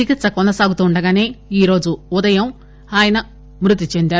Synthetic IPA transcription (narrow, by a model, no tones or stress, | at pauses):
t͡ʃikit̪sɐkɔnd̪ɐsaːɡut̪uːɳɖɐɡaːne̞ːiːɾo̞ːd͡ʒuud̪ɐjɐm | aːjɐnɐ | mɾut̪̬it͡ʃend̪aːɾ